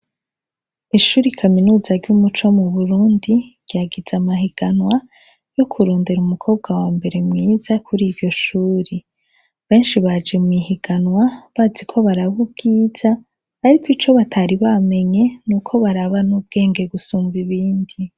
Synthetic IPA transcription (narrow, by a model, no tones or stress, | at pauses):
iʃuːɾikʰaminuːzaɾjumut͡ʃomuβuɾuːndiɡ̥jaɡiz̥amaɦiɡ̥anwa | jo̞kʰuɾoːnde̞ɾumukʰo̞ːbɡawaːmbe̞ɾe̞mŋiːzakʰuɾiːvjo̞ʃuːɾe | βe̞ːnʃiβad͡ʒe̞mŋihiɡ̥anwaβazikʰo̞βaɾaβub̚ɡiːz̥aː | ɾikwit͡ʃo̞βatʰaɾiβame̞ɲe̞nuːkʰo̞βaɾaβanub̚ɡe̞ːŋɡe̞ɡusuːmviβiːndi